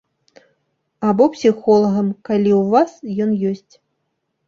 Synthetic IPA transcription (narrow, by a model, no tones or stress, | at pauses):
abɔpsʲixɔlˠɐɣɐmkalʲiwvasjɔnjɔsʲt͡sʲ